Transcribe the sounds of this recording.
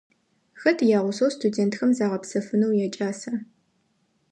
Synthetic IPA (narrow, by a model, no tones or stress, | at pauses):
xɐtʰjaːʁʷʊsɐwstʰudeːntxɐmzaːʁɐpsɐfɨnɐwjɛt͡ʃʼaːsɐ